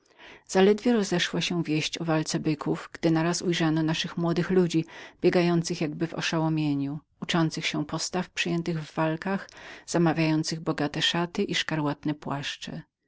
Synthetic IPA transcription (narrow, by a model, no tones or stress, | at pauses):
z̥alɛd̪vʲjɛɾɔzɛʂwaɕɛ̃vʲjeɕt͡ɕɔvalt̪sɛbɘkʰuvɡd̪ɘnaɾasujʐanɔnaʂɘxmwɔd̪ɘxlud͡ʑibʲjɛɡajɔnt̪sɘxjaɡbɘvɔ̰ʂawɔmʲjeɲu | ut͡ʂɔnt̪sɘxɕɛpɔst̪afpʂɘjɛnt̪ɘɣvːalkaxz̥amavʲjajɔnt̪sɘɣbɔɡat̪ɛʂat̪ɘʔiʂkaɾwat̪nɛpwaʂt͡ʂɛ̰